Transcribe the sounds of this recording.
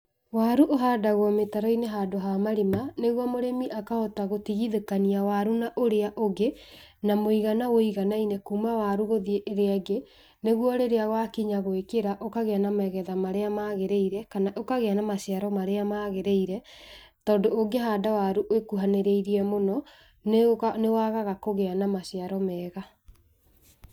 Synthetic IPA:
waɾuʔoɦadaɣwɔmetaɾɔineɦadoɦamaɾimaneɣwɔmoɾemiʔakahɔtaɣotiɣiðekaniawaɾunaʔoɾeaʔoɡenamoiɣanawoiɣanainekuːmawaɾuɣoðieʔːɾeaɡe | neɣwɔɾeɾeaɣwakiɲaɣoekeɾaʔokaɣeanamɛɣɛðamaɾeamaɣeɾeiɾɛkanaʔokaɣeanamaɕjaɾɔmaɾeamaɣeɾeiɾɛ | tɔːndoːŋɡeɦaːdawaɾuʔwekuɦaneɾeiɾiɛmonɔ | nnewaɣaɣakoɣeanamaɕjaɾɔmɛːɣa

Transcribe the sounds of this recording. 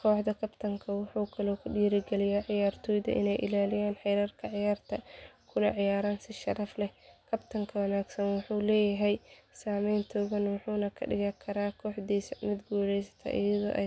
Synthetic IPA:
kʰɔːħd̪ɐkʰɐbt̪ʰɐŋkʰɐwɑħuːkʰɐlɔːkʰʊɖiːɾɪɡɛlɪjaːʕɪjaːrt̪ʰɔjðɐ̰ʔɪ̰nɛjʔɪ̰laːlɪjaːnħɛjɾɐrkʰɐʕɪjaːrt̪ʰɐkʰʊnɐʕɪjaːɾaːnsɪʃɐ̰ɾɐflɛkʰɐbt̪ʰɐŋkʰɐwɐnaːɡsɐnwɑħuːlɛːjɐɦɛj | saːmɛjnt̪ʰɔːɣɐnwɑħuːnɐkʰɐ̰ɖɪ̰ɣɐkʰɐɾaːkʰɔːħd̪iːsɐmɪd̪ɡuːlɛjsɐ̥t̪ʰɐ̰ʔɪ̰jɐðɔ̰ːʔɛj

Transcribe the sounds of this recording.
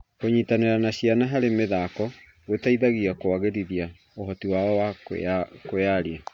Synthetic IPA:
koɲiːtaneɾanaɕianaɦaɾemeðakɔ | ɣetaiðaɣiakwaɣeɾiðia | ohɔtiwaɔwa | kojaɾia

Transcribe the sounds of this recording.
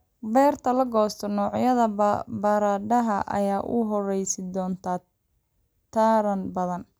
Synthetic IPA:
bɛːrt̪ʰɐlɐɡɔːst̪ʰɔnɔːʕjɐðɐbɐɾaɖɐɦɐʔɐ̰jaːʔʊ̰ɦɔrɛjsɪd̪ɔːnt̪ʰaː | t̪ʰaːɾɐnbɐðɐn

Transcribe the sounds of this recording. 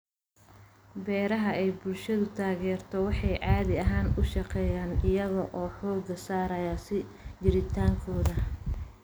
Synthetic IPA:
bɛːɾɐɦɐʔɛjbʊlʃɐðʊt̪ʰaːɣɛːrt̪ʰɔwɑħɑjʕɑːðɪɐɦaːnʊʃɑqɛːjaːnɪjɐɣɐʔɔːħɔːɡɐsaːɾɐjɐsɪ | d͡ʒɪɾɪt̪ʰaːŋkʰɔːðɐ

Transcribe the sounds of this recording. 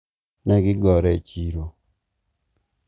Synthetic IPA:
nɛɡɪɡɔɾɛt͡ʃiɾo

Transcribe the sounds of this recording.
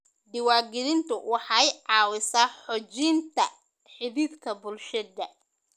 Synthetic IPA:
ɖ̪ɪwɑːɡɪðɪnt̪ʰʊwʔɑħɑjʕɑːwɪsaːħɔt͡ʃɪnt̪ʰɐ | ħɪðiːdkʰɐbʊlʃɐd̪ɐ

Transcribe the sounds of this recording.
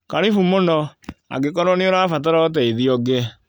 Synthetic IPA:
kaɾifumonɔa̰ɡekɔɾɔneoɾafat̬aɾɔt̬ɛiðiɔɡe

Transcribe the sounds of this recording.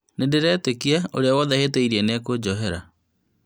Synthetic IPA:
nedeɾɛːtekiaoɾeawɔðɛheteiɾiɛneɛkod͡ʑɔɦeɾa̰

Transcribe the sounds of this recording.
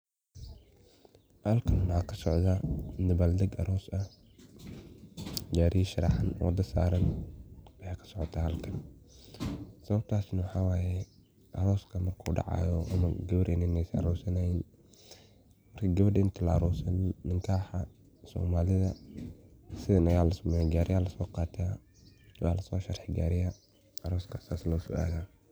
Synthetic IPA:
hɐlkʰɐnwakʰɐsɔʕðanɐβaːld̪ɐɡɐ̰ɾʔɔːsɐ | d͡ʒaːɾiʃɐɾɑħɐnwɔ̰d̪ɐsa̰ːɾɐnwɐjaːkʰɐ̥sɔʕɔt̪ʰaːhɐlkʰɐn | sɐβɐb̚t̪ʰaːsnɐwɑħɑːwaːjɛ | ʔɐɾɔːskʰɐmɐrkʰuːɖɑ̰ʕɑ̰ːjɔʔɐ̰mɐ̰ɡɐβɐɖɪnɪnɛsɐ̰ɾɔːsɐnɐjin | mɐrkʰɐɡɐβɐɖɪnt̪ʰɐlɐɐɾɔːsɐnːɪŋkʰaːħɐ | sɔ̰ːmaːlɪðɐ | sɪðɐnɐjaːlɐsʊmɛjɛɡaːɾɪjaːlɐsɔːqɑːt̪ʰaː | waːlɐsɔːʃɐrħɪɡa̰ːɾɪjɐ | ɐɾɔːskʰɐsaːslɐʊsɔ̰ʔa̰ːðaː

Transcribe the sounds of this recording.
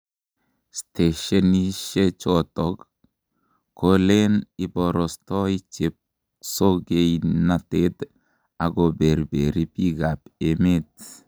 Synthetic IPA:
st̪ʰeʃeniʃet͡ʃot̪ɔɡ | kʰolenibɔɾɔst̪ɔit͡ʃep̚ | soɡejnat̪ed̪ | aɡobeɾbeɾipiɡapemet

